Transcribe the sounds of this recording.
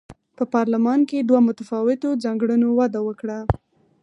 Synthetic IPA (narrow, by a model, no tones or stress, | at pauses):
pəpɑɾlamɑnked̪wamʊt̪afɑwɪt̪od͡zaŋɡɽunowad̪awəkɽa